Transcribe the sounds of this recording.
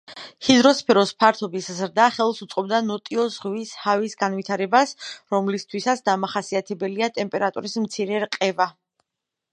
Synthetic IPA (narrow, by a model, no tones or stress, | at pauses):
hid̪ɾɔspʰɛɾɔspʰaɾt̪ʰɔbiszɾd̪aχɛlˠsut̪sʼqʼɔb̚d̪anɔt̪ʼiɔzʁwishavisɡanvwit̪ʰaɾɛbasɾɔmlist̪ʰwisat̪sd̪amaχasiat̪ʰɛbɛliat̪ʼɛmpʼɛɾat̪ʼṵɾismt̪sʰiɾɛɾqʼɛva